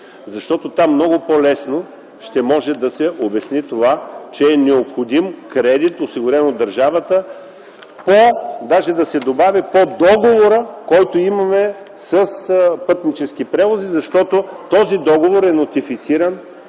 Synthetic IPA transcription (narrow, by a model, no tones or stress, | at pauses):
zɐʃt̪ɔt̪ot̪amːnɔɡʊpɔlɛsno | ʃt̪ɛmɔʒɛd̪ɐsɛʔobɛsnit̪ovat͡ʃɛːnɛopxod̪imkɾɛd̪it̪osiɡʊɾɛnod̪ːɐɾʒavət̪ə | pod̪aʒɛd̪ɐsɛd̪obavipod̪ɔɡovoɾəkɔjt̪oimɐmɛ | səspɤt̪nit͡ʃɛsk̟ipɾɛvozizɐʃt̪ɔt̪ot̪ɔzid̪ɔɡovoɾɛnot̪ifit̪siɾən